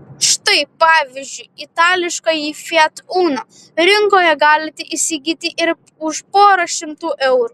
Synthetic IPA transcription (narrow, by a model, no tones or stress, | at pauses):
ʃt̪ɐɪpɑːʋʲɪzʲd͡ʒʲʊɪɪt̪ɑːlʲɪʃkɐjiːfʲɛt̪uːnoː | ɾʲɪŋkoːjɛɡɑːlʲɪt̪ʲɪʔɪsʲiɡʲiːt̪ʲɪʔɪɾ | ʊʃpoːɾɐʃʲɪmt̪uːʔɛʊɾuː